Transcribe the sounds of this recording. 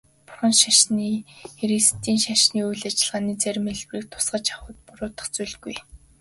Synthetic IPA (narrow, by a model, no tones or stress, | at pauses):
pʊ̥rχə̆nʃaʃniːxeɾist̪ʰiːnʃaʃniːujɮat͡ɕɪ̆ɮʁaːniːt͡sær̆ʲmeɮpriːk̚t̪ʰʊ̥sɢə̆t͡ɕḁχʊ̆ːt̪̚pʊɾʊːt̪ə̆χt͡suɮɡuj